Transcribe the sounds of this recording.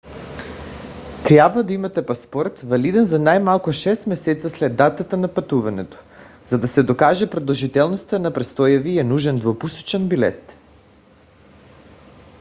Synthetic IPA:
t̪ɾjabvad̪aimat̪ɛpaspɔɾt̪valid̪ɛnzanajmalˠkuʃɛst̪mɛsɛt̪saslɛd̪ːat̪at̪anapat̪uvanɛt̪o̥ | z̥ad̪asɛd̪okaʒɛpɾod̪olˠʒit̪ɛlˠnost̪anapɾɛst̪ɔjaviɛnuʒɛnd̪vopuso̥t͡ʃɛnbilɛ̰t̪

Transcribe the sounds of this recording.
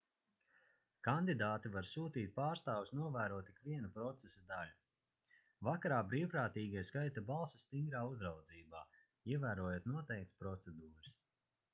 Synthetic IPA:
kand̪id̪aːt̪ivaɾsuːt̪iːt̪̚paːɾst̪aːwusnuɔvæːɾuɔt̪ikviɛnupɾɔt̪sesad̪alu | vakaɾaːbɾiːwpɾaːt̪iːɡiɛskajt̪abalˠsɐst̪iŋɡɾaːuzɾawd̪ziːba̰ː | iɛvæːɾuɔjuːt̪nuɔt̪ɛjk̚t̪spɾɔt̪sɛd̪uːɾɨs

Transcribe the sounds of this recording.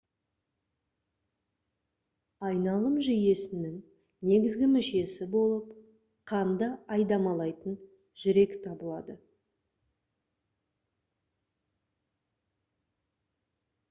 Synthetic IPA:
ɑjnɑlˠəmʒije̞sɪnɪŋ | ne̞ɡʲɪzɡʲɪmɪʃe̞sɪbo̞lˠəp | qʰɑnd̪əɑjd̪ɑmɑlˠɑjt̪ən | ʒ̥ʏɾe̞kt̪ʰɑbəlˠɑd̪ə

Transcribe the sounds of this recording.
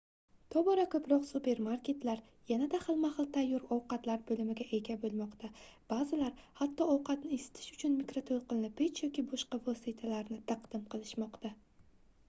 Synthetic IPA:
t̪ʰɒbɒɾakʰɵpɾɒqsupe̞ɾmaɾkʲe̞t̪laɾ | janad̪ahɨlˠmahɨlˠt̪ʰajːɒɾɒwqɑt̪laɾbɵlɪmɪɡʲaʔe̞ɡʲabolˠmɒqt̪ʰab̥azɪlaɾhat̪ʰːɒɒwqʰɑt̪nɪesɪ̥t̪ʰɪ̥ʃʊ̥t͡ʃʰʊnmikɾot̪ʰolˠqɨlnɪpʰet͡ʃʰjɒkʲibɒʃqɑvosit̪ʰalaɾnɪt̪ʰaqd̪̥ɪmqʰɨlˠɪʃmɒqt̪a

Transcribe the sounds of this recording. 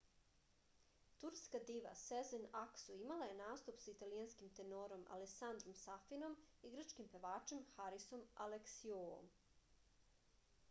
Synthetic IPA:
t̪uɾskad̪iʋa̰sezenaksuimalˠaje̞naːst̪upsait̪alijanskimt̪enoɾo̞ma̰leksand̪ɾo̞msafino̞miɡɾ̩t͡ʃkimpe̞ʋaːt͡ʃe̞mxaɾiso̞maleksioo̰m

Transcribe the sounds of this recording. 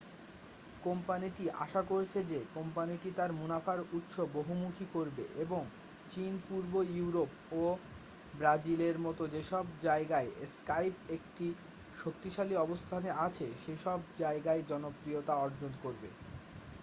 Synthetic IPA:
kompaniʈiʔa̰ʃakoɾt͡ɕʰed͡ʑekompaniʈit̪aɾmunafaɾut̪ʃoboɦumukʰikoɾbeʔeboŋ | t͡ɕinpuɾbojuuɾop | o | bɾad͡ʑileɾmɔt̪od͡ʑeʃɔbd͡ʑaeɡaeskajpek̚ʈi | ʃok̚t̪iʃaliɔbost̪ʰaneat͡ɕʰeʃeʃɔbd͡ʑaeɡaed͡ʑɔnopɾiot̪aɔɾd͡ʑonkoɾbḛ

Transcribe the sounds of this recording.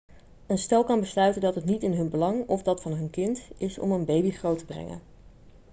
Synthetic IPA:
ənstɛlˠkɑnbəslœɥtəndɑtɦətnitɪnɦɵnbəlɑŋɔfdɑtfɑnɦɵnkɪntɪsɔ̰mənbejbiχrowtəbrɛ̰ŋə̰n

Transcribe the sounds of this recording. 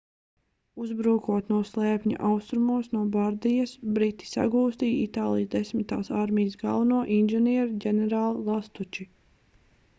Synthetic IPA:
uzbɾuːkuɔt̪nuɔslˠɛːpɲa̰ʔawst̪ɾumuɔsnuɔbaɾd̪ijasbɾit̪ːi̥sa̰ɡuːst̪iːjit̪aːlˠijzd̪esmit̪a̰ːsaɾmijsɡa̰lˠnuɔʔinʒɛniɛɾɟʲɛnɛɾaːlˠlˠast̪ut͡ʃi

